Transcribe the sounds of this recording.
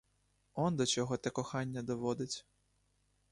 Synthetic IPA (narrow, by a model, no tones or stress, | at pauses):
ɔnd̪ɔt͡ʃɔɦɔt̪ɛkɔxɑnʲːɐd̪ɔʋɔd̪ɪt͡sʲ